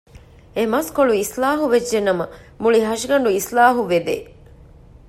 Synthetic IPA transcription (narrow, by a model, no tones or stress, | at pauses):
emɐskoɭuislaːɦuʋedd͡ʒːenːɐmɐ | muɭiɦɐʃiɡɐɳɖuislaːɦuʋed̪ḛː